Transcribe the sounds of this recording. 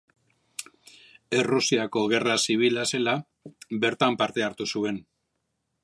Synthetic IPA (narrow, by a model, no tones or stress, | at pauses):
e̞rusiako̞ɣ̞e̞rasiβ̞ilase̞la | be̞ɾt̪ampaɾt̪e̞aɾt̪usue̞n